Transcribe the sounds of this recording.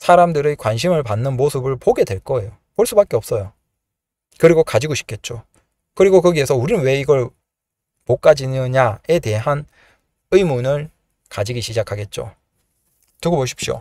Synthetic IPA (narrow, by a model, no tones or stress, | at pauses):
sʰaɾamdɯɾekwanɕ̬ʰimɯɭpanːɯnmosʰɯbɯɭpoɡe̞dwe̞ɭk͈ʌe̞jo | poɭs͈ubak͈eʌp̚s͈ʌjo | kɯɾiɡokad͡ʑiɡoɕʰi̥p̚kʰe̞t̚t͡ɕ͈o | kɯɾiɡokɯɡiesʰʌuɾinɯnwe̞iɡʌɭ | mok͈ad͡ʑinɯɲae̞de̞ɦan | ɯimunɯɭ | kad͡ʑiɡiɕʰid͡ʑakʰaɡe̞t̚t͡ɕ͈o̰ | tɯɡoboɕ̬ʰi̥pɕ͈io̰